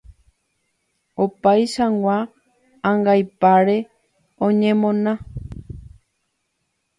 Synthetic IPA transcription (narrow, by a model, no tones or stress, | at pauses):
opajʃawwʷã | ãŋɡajpaɾe̞ | õɲẽmõ̞nã